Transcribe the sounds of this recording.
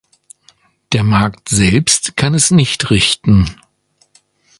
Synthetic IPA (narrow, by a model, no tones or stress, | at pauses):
d̥eːɐmaɐktz̥ɛlpstkʰanɛsnɪçtʁɪçtn̩